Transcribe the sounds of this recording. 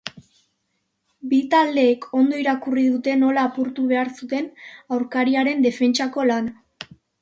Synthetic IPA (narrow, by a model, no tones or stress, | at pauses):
bit̪ald̪e̞ːkʰo̞nd̪o̞iɾakuriðut̪e̞no̞laːpuɾt̪uβe̞aɾsut̪e̞nawɾkaɾiaɾe̞nd̪e̞fe̞nt͡ʃako̞lan